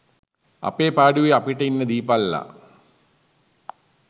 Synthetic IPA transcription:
ɐ̰pːeːpaːɽiʋeɐpːiʈːɐjinːed̪iːpːalːɐ̰

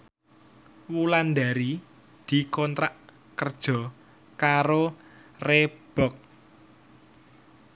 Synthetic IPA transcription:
wuland̪aɾi | d̪̥i̤kɔnt̪ɾaʔ | kərd̥ʒ̥ɔ̤ | kaɾoreb̥ɔk̚

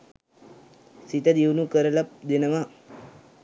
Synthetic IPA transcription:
sit̪əd̪iwnukəɾəlap̚d̪enɐʋa

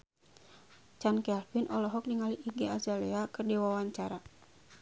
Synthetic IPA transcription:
t͡ʃankɛlfinʔɔlɔɦɔk̚niŋaliʔːɡeazalɛakərdiwawaɲt͡ʃaɾa

